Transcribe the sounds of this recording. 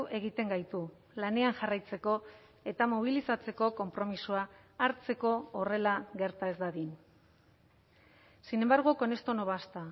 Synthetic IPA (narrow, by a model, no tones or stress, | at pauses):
ʔe̞ɣ̞it̪e̞ŋɡajt̪u | lane̞aŋʝarajt͡se̞ko̞ | e̞t̪amoβ̞ilisat͡se̞ko̞ko̞mpɾo̞misuaː | ɾt͡se̞ko̞ːre̞laɣe̞ɾt̪ae̞zd̪aðin | sine̞mbaɾɣ̞oko̞ne̞st̪o̞no̞βast̪a